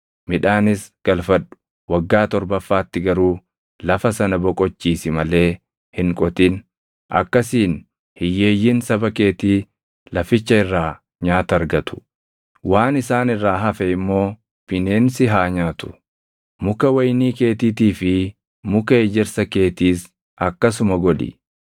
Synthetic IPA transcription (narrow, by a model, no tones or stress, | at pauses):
mɪᶑaːnɪsɡ̥ɐlfɐᶑʊ̥ | wɐɡːaːt̪ɔɾbɐfːaːt̪ːɪɡɐɾuː | lɐfɐsɐnɐbɔkʼɔt͡ʃːiːsɪmɐle̞ː | hɪŋkʼɔt̪ɪn | ʔɐ̰kːɐsiːn | hɪjːe̞ːjːɪnsɐbɐke̞ːt̪iː | lɐfɪt͡ʃːɐɪrːaː | ɲaːt̪ɐɾɡɐt̪ʊ̥ | waːnɪsaːnɪrːaːɦɐfɛɪmːo̞ː | pɪneːnsɪɦaːɲaːt̪ʊ̥ | mʊkɐwɐjniːke̞ːt̪iːt̪iːfɪ | mʊkɐeːd͡ʒɪɾsɐke̞ːt̪iːs | ɐkːɐs̬ʊmɐɡɔᶑɪ̰